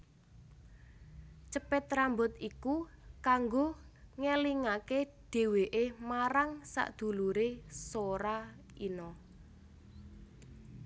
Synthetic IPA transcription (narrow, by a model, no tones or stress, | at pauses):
t͡ʃəpɛt̪ɾambɔt̪ikukaŋɡoŋeliŋakeɖ̥e̤weʔemaɾaŋsa̰ʔd̪̥ṳluɾesoɾa | inɔ